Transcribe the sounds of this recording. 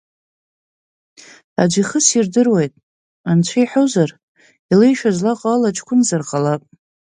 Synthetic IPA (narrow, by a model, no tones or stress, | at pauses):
a̰d͡ʒʷiχəsirdɨrwejtʼ | ant͡ɕʷʰajħozar | ilejʃᶣazlaqʼaalat͡ʃʰʼkʷʰʊnzarqʼalapʼ